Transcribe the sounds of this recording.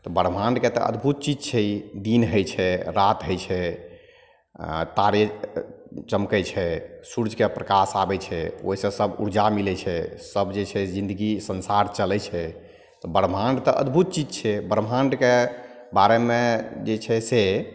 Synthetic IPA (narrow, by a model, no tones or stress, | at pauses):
t̪ɔbəɾmʱaɳɖket̪ɔ̰ʔə̰d̪bʱut̪̚t͡ʃid͡ʒt͡ʃʰɛid̪inɦəjt͡ʃʰɛɾat̪ɦəjt͡ʃʰɛ | t̪aɾe | t͡ʃəmkət͡ʃʰɛsuɾd͡ʒʱkepɾəkasabɛt͡ʃʰɛo̰isə̃səbṵɾd͡ʒamilɛt͡ʃʰɛsəbd͡ʒet͡ʃʰɛd͡ʒĩnd̪əɡisənsaɾt͡ʃəlɛt͡ʃʰɛ | t̪ɔbəɾmʱãɳɖt̪ɔʔə̰d̪bʱut̪̚t͡ʃid͡ʒt͡ʃʰɛbəɾmʱãɳɖke | baɾemed͡ʒet͡ʃʰɛse